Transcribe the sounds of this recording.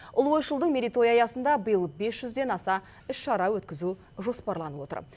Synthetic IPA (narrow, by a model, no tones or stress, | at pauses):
ʊ̰lˠwo̞jʃəlˠd̪əɴmʲeɾʲit̪o̞jɑjɑsənd̪ɑbəjəlˠbe̞sʒ̥ʏzd̪e̞nɑsɑ | ʏʃʃɑɾɑwɵt̪kʲɪzu | ʒo̞spɑɾlˠɑnəwo̞t̪ə̰ɾ